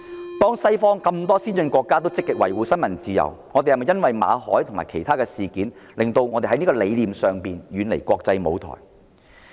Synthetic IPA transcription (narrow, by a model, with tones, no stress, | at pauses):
t̪ɔː˥ŋsɐ˥jfɔː˥ŋkɐ˧mt̪ɔː˥siː˥nt͡ʃɵ˧nkʷɔː˧kːaː˥t̪o˥wt͡sɪ˥kːɪ˨k̚wɐ̰˨˩jwuː˨˧sɐ˥nmɐ˨˩nt͡siː˧jɐ̰˨˩wŋɔː˨˧t̪e˨jhɐ˨˩mɐ˨jɐ˥nwɐ˨jma̰ː˨˧hɔ̰ː˨˥jt̪ʰʊ˨˩ŋmaː˨jkʰe˨˩jt̪ʰaː˥kɛː˧siː˨˩kiː˨˥nlɪ˨ŋt̪o˧wŋɔː˨˧t̪e˨˩ɐ˨˥jniː˥kɔ˧le˨˧jliː˨msœː˨˩ŋpiː˨nɥyː˨˧nle˨˩jkʷɔː˧k̚t͡sɐ˧jmo̰˨˧wt̪ʰɔ̰ː˨˩j